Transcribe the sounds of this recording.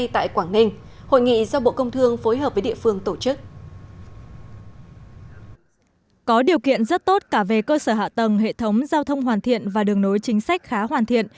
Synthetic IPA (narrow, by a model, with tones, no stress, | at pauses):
jt̪a̰ː˧˨jkwaː˧˩ŋnï˧ŋ̟ | ho̰˧˨jŋḭ˧˨zɔ˧ɓo̰˧˨kə˧wŋ͡mt̪ʰɨ˧əŋfo˨˦jɦəː˨˩p̚və˨˦ɗḭ˧˨əfɨ˧əŋt̪o˧˩t͡ɕɨ˦˥k̚ | kɔ˨˦ɗi˨˩əwkḭ˧˨ənzə˦˥t̚t̪o˦˥t̚kaː˧˩ve˨˩kəː˧səː˧˩ɦa̰ː˧˨t̪ə˨˩ŋɦḛ˧˨t̪ʰə˨˦wŋ͡mzaː˧wt̪ʰə˧wŋ͡mɦwaː˨˩nt̪ʰḭ˧˨ənvaː˨˩ɗɨ˨˩əŋno˨˦jt͡ɕï˨˦ŋ̟sa˦˥k̟̚xaː˨˦ɦwaː˨˩nt̪ʰḭ˧˨ən